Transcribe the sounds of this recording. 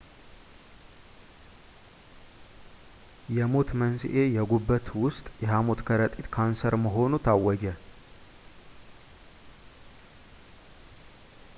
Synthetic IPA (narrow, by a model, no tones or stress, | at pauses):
jɛmo̞t̪mənsḭʔejɛɡubːət̪wʊst̪ʼjɛɦamo̞t̪kʰəɾət̪ʼit̪kʰansəɾməɦo̞nut̪ʰawːɔɡɛ